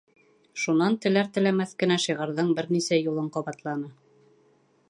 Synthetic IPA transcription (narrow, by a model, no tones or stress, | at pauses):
ʃunɑnt̪ɘ̆læɾt̪ɘ̆læmæθkɘ̆næʃiʁɤ̆ɾðɤɴbɘɾnisæjulˠɤɴqɑβɑt̪lˠɑnɤ